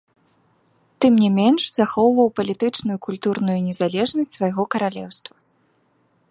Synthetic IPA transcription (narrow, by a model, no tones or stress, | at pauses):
t̪ɨmnʲɛmʲɛnʂzaxɔwvɐwpɐlʲit̪ɨt͡ʂnujukulʲt̪uɾnujunʲɛzalʲɛʐnɐsʲt͡sʲsvajɣɔkɐɾalʲɛ̰wst̪vɐ